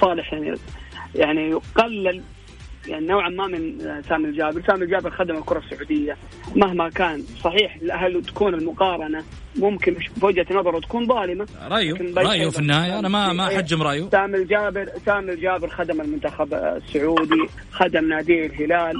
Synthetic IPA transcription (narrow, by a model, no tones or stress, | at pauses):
sˤɑːlɪħjaʕn̰jaʕniqalːal | jaʕninawʕamamɪnsaːmɪld͡ʒaːbɪɾsaːmɪld͡ʒaːbɪɾxad̪amalkʊɾˤɑsːʊʕuːd̪ɪjːa | maɦmakaːnsˤɑħiːħɪlʔaɦalːt̪ḁkuːnɪlmʊqɑːɾˤɑna | mʊmkɪnʃfʊd͡ʒhat̪nɑðˤɑɾˤwt̪akuːnðˤɑːlɪmalɾˤɑʔakɪnbajɑʔjufinːɪhaːjaʔanamamaad͡ʒːɪmɾˤɑʔjusaːmɪld͡ʒaːbɪɾsaːmɪld͡ʒaːbɪɾxad̪amɪlmʊnt̪axab̰sːʊʕuːd̪i | xad̪amnaːd̪iːɾɦɪlaːl